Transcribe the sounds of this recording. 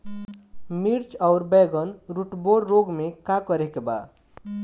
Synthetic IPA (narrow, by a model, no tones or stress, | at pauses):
miɾt͡ʃaʊɾbɛɡʌnɾuʈboɾːoɡmekakʌɾekeba̰